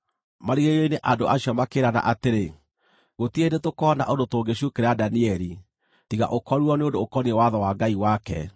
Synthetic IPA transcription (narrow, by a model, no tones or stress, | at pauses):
maɾiɣejɔineʔandoʔaɕiɔmakeːɾana̰ʔateɾe | ɣotiedetokɔːna̰ʔondotoːŋɡeɕukeɾeadaniɛɾi | tiɣa̰ʔokɔɾuɔneondoːkɔniɛwaðɔwaɡaiwakɛ̰